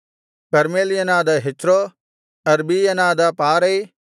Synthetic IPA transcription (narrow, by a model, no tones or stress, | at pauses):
kəɾmeːlɪənãːd̪aːɦɪt͡ʃɾoː | ɐɾbiːənãːd̪aːpaːɾeiː